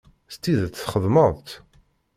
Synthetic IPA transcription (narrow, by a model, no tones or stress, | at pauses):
st̪ːiðt͡s̪θχəðˤməðˤt̪